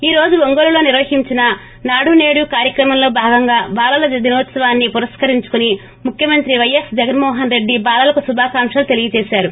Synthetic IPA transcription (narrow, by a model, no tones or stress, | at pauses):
iːɾo̞ːd͡ʒuʋoŋɡoɾulo̞ːniɾʋɐhiɲt͡ʃinɐ | naːɽune̞ːɽukaːɾjɐkɾɐmɐmlo̞ːbʱaːɡɐŋɡaːbaːlɐlɐd̪inɐːt̪sɐʋaːnːipuɾɐskɐɾiɲt͡ʃu̥kuni | mukʰjɐmɐnt̪ɾiʋɐjesd͡ʒɐɡɐnmɔːɦɐnɾe̞ɖːibaːlɐlɐkusubʱaːkaːmʃɐlut̪e̞liɡit͡ʃɛːʃaːɾu